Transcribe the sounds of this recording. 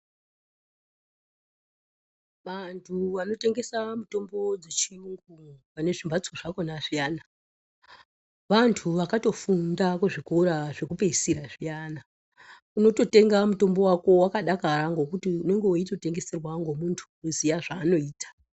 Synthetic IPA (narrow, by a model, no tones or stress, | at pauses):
ʋantʰuʋano̞te̞ŋɡe̞samuto̞mbo̞d͡zet͡ʃiuŋɡuʋane̞ʐimbat͡si̥koʐako̞naʐijaːna | ʋantʰuʋakato̞fundakuʐikoɾaʐe̞kupe̞isiɾaʐijana | uno̞to̞te̞ŋɡamuto̞mbo̞wako̞wakaɗakaɾaŋɡo̞kutiune̞ŋɡe̞woito̞te̞ŋɡe̞se̞rwaŋɡo̞muntʰu̥uzijaʐaːno̞iːtḁ